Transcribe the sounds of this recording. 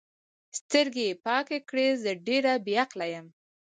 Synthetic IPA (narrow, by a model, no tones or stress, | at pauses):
st̪əɾɡepɑkekɽezəɖeɾabeaqlajəm